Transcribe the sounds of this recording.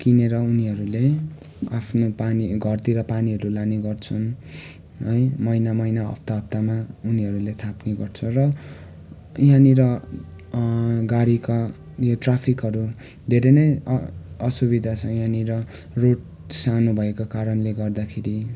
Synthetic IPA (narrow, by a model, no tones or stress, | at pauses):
kineɾʌuniɦʌɾule | a̰pʰnopaniɡʱʌrt̪iɾʌpaniɦʌɾulaniɡʌrt͡sʰun | ɦʌjmʌjnamʌjnaʌ̰p̚t̪aʌp̚t̪amauniɦʌɾulet̪ʰapneɡʌrt͡sʰʌrʌ | jãniɾʌ | ɡaɽika | joʈrapʰikɦʌɾu | d̪ʱeɾenʌj | ʌsubid̪ʱat͡sʰʌjãniɾʌ | roʈ | sanubʱʌekakaɾʌnleɡʌrd̪akʰeɾi